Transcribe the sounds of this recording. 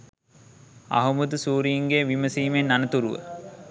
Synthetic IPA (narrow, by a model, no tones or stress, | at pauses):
a̰ɦumud̪əsuːɾiːŋɡejʋiməsiːmenːanət̪uɾuʋə̰